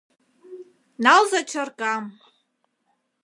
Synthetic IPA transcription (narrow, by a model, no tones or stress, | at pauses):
nalzat͡ʃʰarkʼam